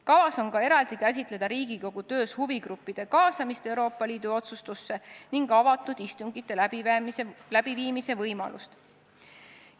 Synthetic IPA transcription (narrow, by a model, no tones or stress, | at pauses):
kɑvɑso̞nkɑe̞ɾɑld̪̥ikæs̬ʲit̪ˑle̞d̪̥ɑɾiːɡiko̞ɡ̥ut̪ø̞ːshuviɡɾupːid̪̥e̞kɑːsɑmist̪e̞wɾo̞ːpːˑɑliːd̪̥uo̞t̪sust̪usːe̞niŋɡ̥ɑvɑt̪ːˑud̪̥ist̪uŋɡit̪ːˑe̞ | læb̥iviːmise̞vɤjmɑ̰lʔṵst̪